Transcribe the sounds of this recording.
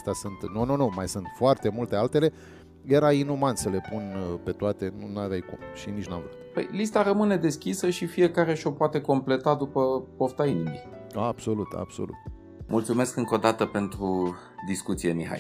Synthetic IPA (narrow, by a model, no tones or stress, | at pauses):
st̪asɨnt̪nununumajsɨnt̪foart̪e̞mult̪e̞alt̪e̞le̞ | je̞ɾainumansəle̞punpe̞t̪oat̪e̞nunavʲajkṵmʃinit͡ʃʲnamvɾut̪pə̰jlist̪aɾəmɨne̞d̪e̞skʲisəʃifije̞kaɾe̞ʃo̞poat̪e̞ko̞mple̞t̪ad̪upəpoft̪ainimi | ab̥so̞lut̪a̰b̥so̞̰lṵt̪ | mʔult̪sume̞skɨŋko̞d̪at̪əpe̞nt̪ɾu | d̪iskut̪sijemiɦa̰j